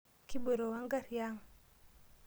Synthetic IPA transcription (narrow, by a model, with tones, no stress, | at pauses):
ki˦bo˨ɾo˨wa˦ŋɡa˦ɾja˦ŋ